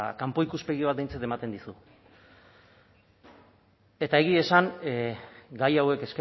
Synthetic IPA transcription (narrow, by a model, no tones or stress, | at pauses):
kampo̞ikuspe̞ɣiβ̞at̪̚d̪ejnt͡sat̪e̞mat̪e̞nd̪isu | e̞t̪ae̞ɣie̞saŋ | ɡajawe̞ke̞ske